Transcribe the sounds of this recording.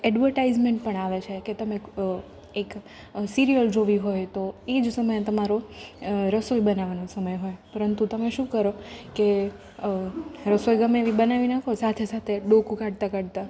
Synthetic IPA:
ɛɖʋəɾʈaizmeɳʈ̚pəɳaʋet͡ʃʰeket̪əme | ek | siɾiəld͡ʒoʋiɦojt̪oed͡ʒsəməjet̪əmaɾo | ɾəsojbənaʋanosəməjɦojpəɾənt̪ut̪əmeʃũkəɾoke | ɾəsojɡəmeʋibənaʋinakʰosat̪ʰesat̪ʰeɖokukaɽt̪akəɽt̪a

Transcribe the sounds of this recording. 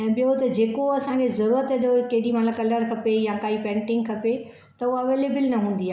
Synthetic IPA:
ɛ̃ːɓɪjot̪ɐd͡ʑeːkoɐsãkʰezɐɾuːɾət̪ɐd͡ʑokɐɦɗimat̪lakɐləɾkʰɐpejakaːipɛ̃ːɳʈɪ̃ŋɡ̚kʰɐpe | t̪ɐʊɦɐʋeːleːbɪlnɐɦũːn̆d̪iaː

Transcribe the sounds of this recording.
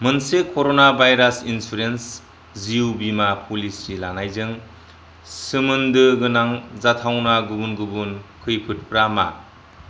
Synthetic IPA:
mɯnsekʰoɾonabʱajɾasinsuɾens | ziubimapʰulisɾilanajzɯŋ | sɯmɯndɯɡɯnaŋzatʰawnaɡubunɡɯbunkʰɯjpʰɯt̚pɾama̰

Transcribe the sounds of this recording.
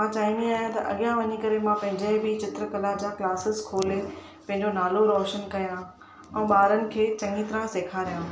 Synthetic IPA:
mãt͡ɕaːʋĩnd̪iaːɦjãt̪ɐʔɐ̰ɠjãʋɐɲikɐɾemãpɐ̃ɦɪ̃ɲd͡ʑəɦbɪt͡ɕɪt̪ɾəkɐlad͡ʑaːklaːsɪzkʰoːle | pɐ̃ɦɪ̃ɲd͡ʑonaːloɾɔːʃənkɐjã | ɛ̃ːɓaːɾənɪ̆kʰeːt͡ɕɐ̃ŋɡit̪ɾãseːkʰaɾijã

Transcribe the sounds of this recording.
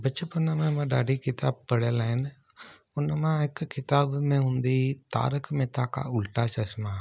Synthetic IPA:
bətːt͡ʃəpʊnːamẽmãɖaːɖikɪt̪aːb̚pəɽeːlaɪn | ʊnamãɪkkɪt̪aːbmẽɦʊ̃nd̪it̪a̰ːɾəkmẽːt̪aːka̰ʊlʈaːt͡ʃɐsma

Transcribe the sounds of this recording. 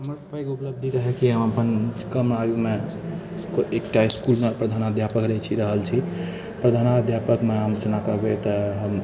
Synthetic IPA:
ɦəməɾsəpʰəjkeupləb̚d̪ʱiɾəɦɛkiɦəmapənkəmnajume | koekʈaiskulmepɾəd̪ʱanad̪ʱjapəkɾət͡ʃʰiɾəɦəlt͡ʃʰi | pɾəd̪ʱanad̪ʱjapəkmeɦəmt͡ʃənakəbet̪əɦəm

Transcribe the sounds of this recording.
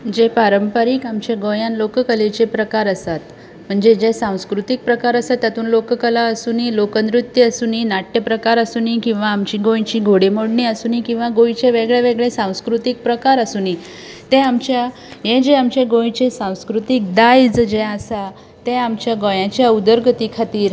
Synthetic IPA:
d͡ʑepaɾəmpəɾiːkamt͡ɕeɡõjãnlokkəlet͡ɕepɾəkaɾəsat̪ | m̤əɳd͡zed͡ʑesãw̃skɾut̪ik̚pɾəkaɾəsat̪jat̪uːnlokkəlaəsuːniːlokənd̪ɾut̪ːjəsuːniːnaʈːjəpɾəkaɾəsunikĩw̃ʋaːmt͡ɕiːɡõjt͡ɕiːɡʱoɽemoɽɳiəsuːniːkĩw̃ʋaɡojit͡ɕeʋeɡɭeʋeɡɭesãw̃skɾut̪ik̚pɾəkaɾəsuːni | t̪ẽamt͡ɕja | jẽd͡ʑeamt͡ɕeɡõjt͡ɕesãw̃skɾut̪ik̚d̪ajd͡zd͡ʑeəsa | t̪ẽamt͡ɕjaɡojãt͡ɕjaud̪əɾɡət̪ikʰat̪iːɾ

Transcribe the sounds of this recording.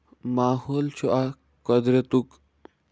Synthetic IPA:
maːhoːlt͡ʃʰuʔa | kɔd̪ɾet̪uk

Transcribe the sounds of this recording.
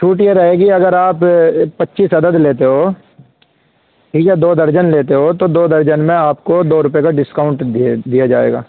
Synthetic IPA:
t͡ʃʰuːʈieɾɐɦeːɡiɐɡəɾaːppɐtːʃiːsɐd̪əd̪leːt̪eɦoː | ʈʰiːkɛɛd̪oːd̪ɐɾd͡ʒənleːt̪̬eɦot̪od̪oːd̪ɐɾd͡ʒənmẽaːpkod̪oːɾʊp̬ekaɖɪskaːʊ̃ɳʈ̪d̪ijad͡ʒaːḛːɡa̰ː

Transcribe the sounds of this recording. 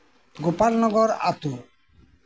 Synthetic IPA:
ɡopaɾnɔɡɔɾa̰t̪u

